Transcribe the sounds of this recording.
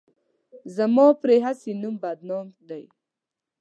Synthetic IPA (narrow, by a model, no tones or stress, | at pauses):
zamɑpɾeɦasenumbad̪nɑmd̪aj